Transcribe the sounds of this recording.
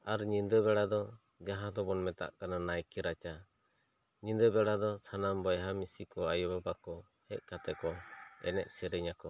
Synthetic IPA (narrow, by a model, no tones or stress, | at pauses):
aɾɲind̪ɔβɛɽad̪ɔ | d͡ʒaɦãd̪ɔbɔnmɛt̪a̰ʔkananajkɛɾat͡ʃa | ɲind̪ɔbɛɽad̪ɔsʰanambɔjɦamisikɔajɔbabakɔ | hɛc̚kat̪ɛkɔɛ̰nɛʔ̚sɛɾɛɲakɔ